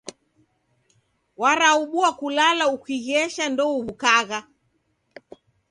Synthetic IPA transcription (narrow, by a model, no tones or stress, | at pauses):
waɾauɓuakulalaukiɣɛʃandɔuβukaɣa